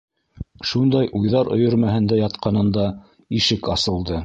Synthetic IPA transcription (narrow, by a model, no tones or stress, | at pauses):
ʃund̪ɑjʔujðɑɾŏ̰jɤ̆ɾmæhɘ̆nd̪æjɑt̪qɑnɤ̆nd̪ɑ | iʃɘkɑsɤ̆lˠd̪ɤ